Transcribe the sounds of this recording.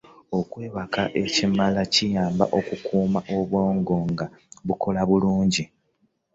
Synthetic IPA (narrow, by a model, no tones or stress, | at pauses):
o̞kwe̞ːβakaʔe̞cimalacijaːmba̰ʔo̞kukʰuːmaʔo̞βwo̞ːŋɡo̞ŋɡaβukʰo̞laβuluːɲɟi